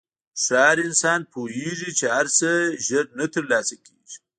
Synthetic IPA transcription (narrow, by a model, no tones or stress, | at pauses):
ʂɑːɾɪnsɑːnpʰoɦeʐit͡ʃehaɾsəʒəɾnat̪əɾlɑːsakʰeʒi̥